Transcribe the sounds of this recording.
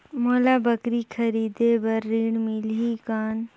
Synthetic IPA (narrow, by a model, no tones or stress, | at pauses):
moːlaːbəkɾikʰəɾiːd̪ebɐɾːiːɽmilɦikaːn